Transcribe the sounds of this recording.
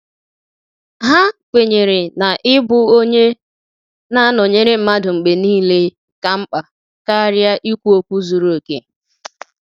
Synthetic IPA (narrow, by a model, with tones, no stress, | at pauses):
ɦa˦kʷe˨ɲe˨ɾe˨na˨ʔɪ˦bʊ˦o˦ɲe˦ | na˦nɔ˨ɲe˦ɾe˦m̩˨ma˦dʊ˨ŋ͡m̩˨ɡ͡be˨niː˦le˦ | ka˨m̩˦k͡pa˨ | ka˦ɾja˦ʔi˦kʷu˦o˦kʷu˦zu˨ɾu˦o˨kḛ˦